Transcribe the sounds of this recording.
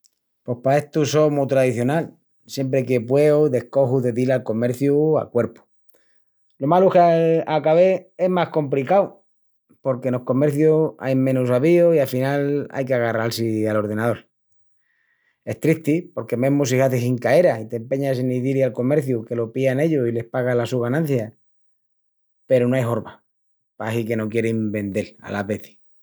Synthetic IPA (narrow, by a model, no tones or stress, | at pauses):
po̞hpae̞ht̪uso̞mut̪ɾaðiθjo̞nal | sje̞mp̬ɾeke̞pwe̞oðe̞hko̞xuðe̞ðilalko̞me̞ɾθjua̰kwe̞ɾpu̥ | lo̞maluhkakaβe̞e̞ɦmahko̞mplikaw | po̞ɾkeno̞hko̞me̞ɾθjua̰jmẽ̞nusaβioiafinala̰jkeaɣaralsialo̞ɾð̞e̞nað̞o̞ɾ | e̞ht̪ɾit̪ipo̞ɾke̞memos̬ihaθisiŋkae̞ɾait̪e̞mpe̞ɲaseniðilialko̞me̞ɾθjuke̞lo̞piane̞ʎoile̞hpaɣalasuɣanãn̟θja | pe̞ɾonoajɦo̞ɾβa | pasike̞no̞kje̞ɾimbe̞nd̪e̞la̰laβe̞θi̥